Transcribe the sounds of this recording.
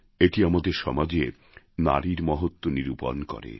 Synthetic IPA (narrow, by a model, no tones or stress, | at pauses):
eʈiamad̪eɾʃɔmad͡ʑe | na̰ɾiɾmɔɦot̪ːoniɾupo̰nkɔ̰ɾḛ